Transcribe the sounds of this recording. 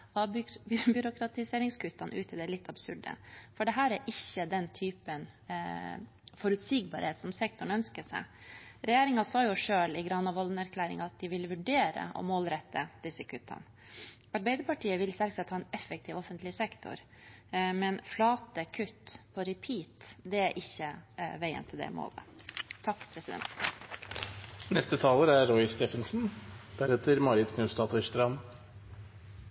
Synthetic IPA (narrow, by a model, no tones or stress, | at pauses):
ɑbjʏɾʊkɾɑt̪ɪseːɾɪŋskʰʉt̪ːɑnʔʉ̰ːt̪ʰɪd̪ɛɭɪt̪ʰːɑbsʉɖə̰fɔɖɛɦæːɾæɾʔɪçːəd̪ɛnt̪ʰyːpən | fɔɾʉt̪siːɡbɑ̰ːɾheːt̪sɔmsɛk̚t̪ʊɳœnskəsæ̰ɪɾɛjeːɾɪŋɑsɑːjʊʂøːlɪɡɾɑnɑʋɔlnæɾkʰlæːɾɪ̰ŋɑt̪̚d̪ɪʋɪlʋʉɖeːɾə̰ʔɔ̰moːlɾɛt̪ʰːə̰d̪̥ɪsːəkʰʉt̪ʰːɑ̰n | ɑɾbæɪd̪əpɑʈʰiːəʋɪlsɛlɡsɑt̪hɑːɛnɛfək̚t̪ʰɪːʋɔfənt̪lɪsɛkt̪ʰʊ̰ɾ | mɛnflɑːt̪əkʰʉt̪ːpʰɔɾɛpʰiːt̪d̪ɛæɾʔɪçːəʋæɪə̰nt̪ʰɪld̪ɛ̰mo̰ːlə̰t̪ʰɑkːpʰɾɛsɪd̪ɛ̰nt̪ | nɛst̪ət̪ʰɑːləɾæːɔɪst̪eːfənsn̩d̪̥æɾɛt̪ʰəɾmɑɾɪd̪kʰnʉst̪ɑt̪ʰɔʃt̪ɾɑn